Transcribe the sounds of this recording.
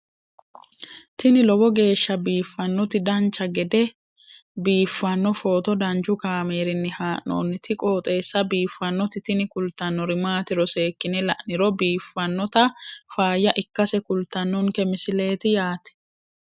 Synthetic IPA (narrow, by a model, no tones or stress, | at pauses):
t̪ɪnɪlɔbɔɡe̞ːʃːɐbiːfːɐnːɔt̪ɪd̪ɐnt͡ʃːɐɡɛd̪ɛ | biːfːɐnːɔfo̞ːt̪ɔd̪ɐnd͡ʒʊkaːmeːɾɪnːɪhaːʔo̰ːnːɪt̪ʰɪkʼo̞ːt̪ʼe̞ːsːɐbiːfːɐnːɔt̪ɪt̪ɪnɪkʊlt̪ːɐnːɔɾɪmaːt̪ɪɾɔse̞ːkːɪnɛlɐʔnɪɾɔbiːfːɐnːɔt̪ɐfaːjːɐʔɪkːɐsɛkʊlt̪ːɐnːʊŋkɛmɪsɪle̞ːt̪ɪjaːt̪ɛ̥